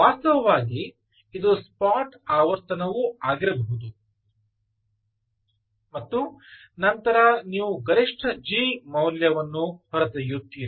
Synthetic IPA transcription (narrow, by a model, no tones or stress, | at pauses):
ʋaːst̪ɐʋɐʋaːɡiː | id̪uspaːʈaːʋɐɾt̪ɐnɐʋuaːɡiɾɐbɐɦud̪u | mɐt̪ːu | nɐnt̪ɐɾɐniːʋuɡɐɾiʂʈʰɐd͡ʒimɐwljɐʋɐnːupɐɾɐt̪ɐjut̪ːiːɾi